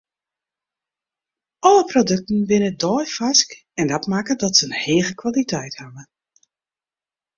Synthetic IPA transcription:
ʔɔləprodøk̚tn̩ʋɪnədɔːjfask | ɛndatmakədɔtsəənheːɣəkʋalitʰɛjthavə

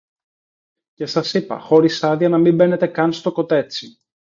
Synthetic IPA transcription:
ce̞sɐsipɐ̰xo̞ɾisɐðiɐnɐmimbe̞ne̞t̪e̞kɐnst̪o̞ko̞t̪e̞t͡si

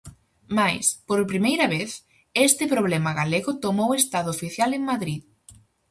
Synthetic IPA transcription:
majspoɾpɾimejɾɐβ̞eθ | est̪ɪpɾoβ̞lɛmɐɣaleɣʊt̪omowest̪aðʊːfiθjaleŋmaðɾið

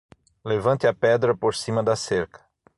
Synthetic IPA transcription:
levɐ̃nt̪ɪɐpɛd̪ɾɐpoɾsĩmɐd̪ɐseɾkɐ̥

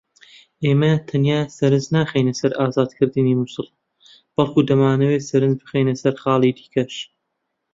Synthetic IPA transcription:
ʔeːmɐt̪ʰɐnjaːsɐɾɨnznaːχejnɐsɐɾʔaːzaːd̪kʰɨɾd̪ɨniːmusɨlˠ | b̥ɐlˠkʰuːd̪ɐmaːnɐweːsɐɾɨnzbɨxejnɐsɐɾχɑːlˠiːd̪i̥ːkʰɐʃ

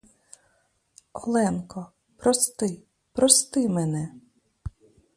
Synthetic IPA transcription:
ɔ̰lˠɛnkɔ | pɾɔst̪ɪ | pɾɔst̪ɪmɛnɛ

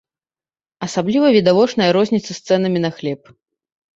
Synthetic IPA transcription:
ɐsablʲivɐvʲid̪avɔt͡ʂnɐjɐɾɔzʲnʲit̪sɐst̪sɛn̪ɐmʲinɐxlʲɛp

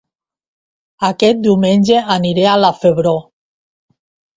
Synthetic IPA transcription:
akɛt̪̚d̪iwmenʲʒeaniɾealafeβɾo

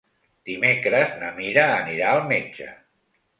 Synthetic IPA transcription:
d̪̥imekɾəznəmiɾəːniɾaəlˠmed͡ʒə̰

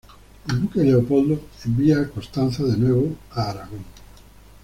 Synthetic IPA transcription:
eld̪ukeleopold̪oembiakost̪anθaðenweβoaːɾaɣoŋ

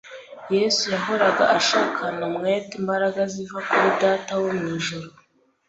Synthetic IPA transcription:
je̞sujaɦo̞ɾaɡa̰ʔaʃaːkʰanomŋejtimbaɾaɡazivakuɾidaːtawomiːʒuɾo

